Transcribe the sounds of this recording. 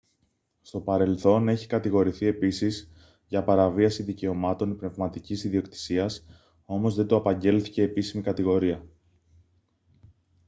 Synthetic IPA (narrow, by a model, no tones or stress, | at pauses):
st̪o̞pɐɾe̞lθo̞ne̞çi̥kɐt̪iɣo̞ɾiθie̞pisiz | ʝɐpɐɾɐviɐsiðice̞o̞mɐt̪o̞nipne̞vmɐt̪icisiðio̞kt̪i̥siɐs | o̞mo̞zðe̞nd̪oɐpɐɲɟe̞lθice̞ːpisimikɐt̪iɣo̞ɾiɐ